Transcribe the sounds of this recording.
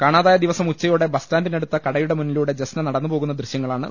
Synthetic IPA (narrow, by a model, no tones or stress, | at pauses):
kaːɳaːðaːjɐd̪iʋɐsɐmut͡ɕːɐjoːɽe̞bɐstaːnd̪ineɽut̪ːɐkɐɽɐjuɽe̞munːiluɽe̞d͡ʑesnɐnɐɽɐnːɨpo̞ːɣunːɐd̪riɕjɐŋːɐɭaːɳɨ̰